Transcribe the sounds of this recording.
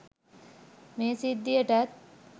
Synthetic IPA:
meːsid̪ːijəʈɐt̪̚

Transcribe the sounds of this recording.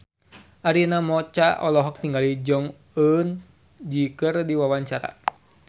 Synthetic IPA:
ʔaɾinamɔt͡ʃaɔlɔɦɔk̚t̪iŋɡalid͡ʒɔŋ | ən | d͡ʒikərdiwawaɲt͡ʃaɾa̰

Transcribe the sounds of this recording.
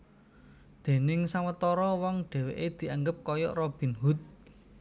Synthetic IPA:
d̪̥e̤nɪŋsaŋwət̪ɔɾɔwɔŋɖ̥ɛ̤wḛʔed̪̥i̤aŋɡəp̚kɔjɔ̰ʔrɔb̥i̤nɦut̪̚

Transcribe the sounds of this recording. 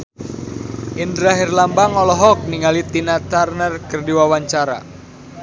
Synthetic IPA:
ʔindɾaɦɪrlambaŋɔlɔɦɔk̚niŋalit̪inat̪arnərkərdiwawaɲt͡ʃaɾa̰

